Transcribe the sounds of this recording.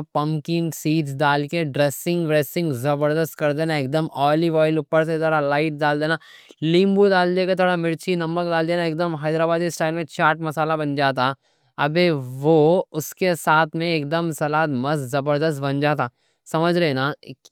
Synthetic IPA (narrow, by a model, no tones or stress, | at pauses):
pɐ̃mkɪŋsiːʈsd̪aːlkeɖɾeːsɪ̃ŋɡbɾeːsɪ̃ŋɡzɐbəɾd̪əst̪kɐɾd̪eːnaeːk̚d̪əmɔːliʋaːɪlupːəɾs̬et̪ʰoːɽalaːɪʈ̚daːld̪eːnaː | lĩːmbud̪aːld̪eːket̪ʰoːɽamɪɾt͡ʃʰinɐmək̚d̪aːld̪eːnaeːk̚d̪əmɦɛːd̪ɾaːbaːd̪kɪsʈaːɪlmẽt͡ʃaːɾʈmɐsaːlabɐnd͡ʒaːt̪a | ɐbeʋoʊskesaːt̪ʰmẽeːk̚d̪əmsɐlaːt̪mɐzzɐbəɾd̪əs̬t̪̚bɐ̃nd͡ʒaːt̪aː | sɐməd͡ʒʱɾɛnaː